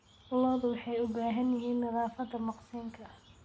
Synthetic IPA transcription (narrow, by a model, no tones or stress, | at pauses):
ʊlɔðʊwɑħɑjʊbaːɦɐnjɪɦiːnːɐðaːfɐd̪ɐmɑqsiːŋkʰɐ